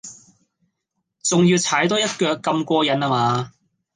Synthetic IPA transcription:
t͡sʊ˨ŋjiː˧wt͡sʰaː˨˥jt̪ɔː˥jɐ˥t̚kœː˨˧kːɐ˧mkʷɔː˧jɐ˨˥naː˧maː˨˧

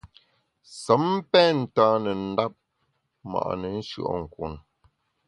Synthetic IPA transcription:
sə˨˦m˦pɛː˦n̩˨taː˦nə˨n̩˨˦da˦p̚ | ma̰˨ʔnə˨n̩˦ʃɰ̰ʔɔ̰˦˨ŋ̩˨kwṵ˨n

